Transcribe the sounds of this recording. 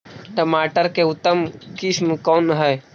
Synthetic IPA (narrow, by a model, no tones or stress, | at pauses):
ʈəmaːʈəɾkeʊt̪ːəmkismkɔːnɦəj